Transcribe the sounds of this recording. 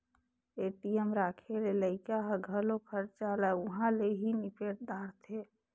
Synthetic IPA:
eːʈijəmɾaːkʰeleləɪkaɦɡʱəlokʰəɾt͡ʃalaʊɦãleɦinɪpeːʈd̪aːɾt̪ʰe

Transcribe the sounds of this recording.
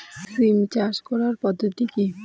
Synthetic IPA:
sɾimt͡ɕaɾʃkɔɾaɾpɔd̪ʱːot̪iki

